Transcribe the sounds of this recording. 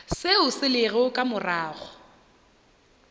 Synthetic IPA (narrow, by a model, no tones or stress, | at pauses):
sɪʊsɪlɪɣɛʊkʼamʊraːɣɔ